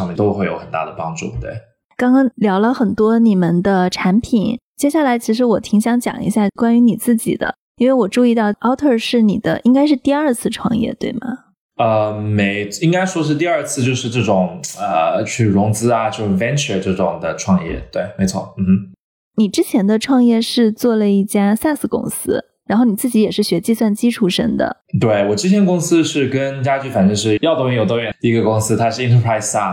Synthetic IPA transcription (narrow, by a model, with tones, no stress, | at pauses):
ɑ˧˥ŋmjɛ˥˧˩t̪o˥ʊxwe˥˩ɪjo˧˥ʊxə˨˩nt̪a̰˥˩d̪ə˩pɑ˥ŋʈ͡ʂṵ˥˩t̪wḛ˥˩ɪ | kɑ˥ŋkɑ˥ŋljɑ˧˥ʊlə˧xə˨˩nt̪wɔ˥ni˨˩mə˨nd̪ə˧ʈ͡ʂʰa˧˥npʰi˨˩˦nt͡ɕjɛ˥ɕja˥˩la˧˥ɪt͡ɕʰi˧˥ʂɻ̩˧˥wɔ˨˩t̪ʰi˧˥ŋɕjɑ˧˥ŋt͡ɕjɑ̰˨˩ŋḭ˧˥ɕja˥˩kwa˥ny˧˥ni˨˩t͡sɹ̩˥˩t͡ɕḭ˨˩d̪ə̰˦ | i˥nwe˥˩ɪwɔ˨˩ʈ͡ʂu˥˧i˥˧t̪ɑ˥˩ʊɑ˥ʊt̪ʰə˥˧˩ʂɻ̩˥˩ni˨˩d̪ə̰˦ʔi˥ŋka˥ɪʂ̬ɻ̩˥˧t̪i˥˧ə˞˥˧t͡sʰɹ̩˥˧ʈ͡ʂʰwɑ̰˥˧ŋjɛ̰˥˩t̪we˥˩ɪmɐ̰˩ | ə˧me˧˥ɪi˥ŋka˥ɪʂwɔ˥ʂ̬ɻ̩˥˧t̪i˥˧ɐ˞˥˧t͡sʰɹ̩˥˧t͡ɕjo˥˧ʊʂɻ̩˥˧ʈ͡ʂɤ˥˩ʈ͡ʂʊ˨˩˦ŋə˩t͡ɕʰy˥˩ɻʊ˧˥ŋt͡sɹ̩˥ɐ˨t͡ɕjo˥˧ʂ̩˥˩fɛ˥nt͡ʃʰə˧˩ʈ͡ʂɤ˥˩ʈ͡ʂʊ˨˩ŋd̪ə˩ʈ͡ʂʰwɑ˥˧ŋjɛ̰˥˩t̪we˥˩ɪme˧˥ɪt͡sʰwɔ˥˩m̩˧˩mm̩˥ | ni˨˩ʈ͡ʂɻ̩˥t͡ɕʰjɛ˧˥nd̪ə˧ʈ͡ʂʰwɑ˥˧ŋjɛ˥˧ʂɻ̩˥˧t͡swɔ˥˩lə˩i˥˩t͡ɕja˥sa˥˧nsɹ̩˥˩kʊ̰˥ŋsɹ̩˥ | ɻa˧˥nxo˥˩ʊni˨˩t͡sɹ̩˥˩t͡ɕi˧˥jɛ˨˩ʂɻ̩˥˩ɕɥɛ˧˥t͡ɕi˥˧swa˥˩nt͡ɕi˥ʈ͡ʂʰu˥˩ʂə̰˥ŋd̪ə̰˩ | t̪we˥˩ɪwɔ˨˩ʈ͡ʂɻ̩˥t̪ʰjɛ˧˥nkʊ˥ŋsɹ̩˥ʂɻ̩˥˩kə˥nt͡ɕja˥t͡ɕy˥˩fa˨˩nʈ͡ʂə˥ʂɻ̩˥˧jɑ˥˩ʊt̪ʰŋi˧˥˩jt̪ɑ˥˧ɥɛ˨˩ni˧˩i˧˥ɡə˧kʊ˥ŋsɹ̩˥t̪ʰa˥ʂɻ̩˥˩i˥ntʰə˧pʰɹa˥ɪsa˩